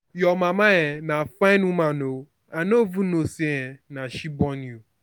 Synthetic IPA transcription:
jɔmamaɣɛnafaɪnumano | anovunosiɛnaʃibɔnu

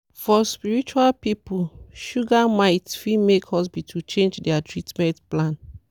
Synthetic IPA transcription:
fɔspiɹit͡ʃualpipuʃuɡamaɪtfimekʰɔs̬bitʰut͡ʃẽnd͡ʒdɛatɹitmɛ̃ntplãn

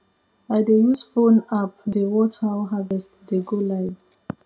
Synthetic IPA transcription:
ajdejusfõnapdewɔtʰawɦavɛstdeɡolaɪ

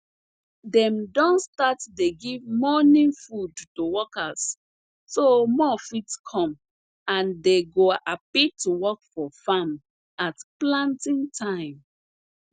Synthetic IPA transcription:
dɛ̃mdɔ̃nstatdeɡivmɔnĩŋfudtuwɔkas | somɔfitskʰɔ̃m | ãndeɡoapituwɔkfɔfam | atplãntĩŋtʰãɪ̃m

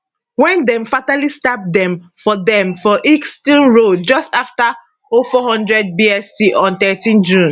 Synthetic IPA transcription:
wɛ̃ndɛ̃mfatalistap̚dɛ̃m | fɔdɛ̃mfɔʔikstĩnɹod͡ʒɔstafta | ofɔhɔ̃ndɹɛd̚biɛstiʔɔ̃nt̪ɛtĩnd͡ʒũn

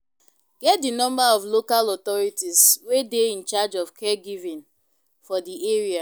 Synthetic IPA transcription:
ɡ̥ɛt̚dinɔ̃mbaɔvlokalɔt̪ɔɹitiswedeĩnt͡ʃad͡ʒɔvkʰɛɡivĩn | fɔdiʔeɹia

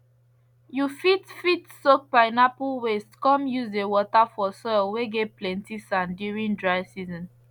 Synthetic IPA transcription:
jufitfitsok̚paɪnapuwestkɔ̃mjuzewɔtafɔsɔɪlweɡeplɛ̃ntisãndiɹĩndɹaɪsizɔ̃n

